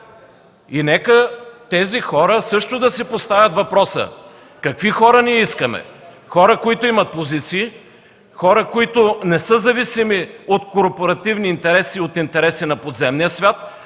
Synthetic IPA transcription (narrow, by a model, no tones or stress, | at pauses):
inɛkət̪ɛzixɔɾəsɤʃt̪od̪ɐsipost̪avʲjɐt̪vɐpɾɔsə̰ | kɐkvixɔɾəniɛiskəmɛ̰ | xɔɾəkoit̪ʊimɐt̪̚pozit̪siː | xɔɾəkoit̪ʊnɛsɤzɐvisimiot̪koɾpoɾɐt̪ivniːnt̪ɛɾɛsiot̪int̪ɛɾɛsinɐpod̪zɛmnijəsvʲat̪̚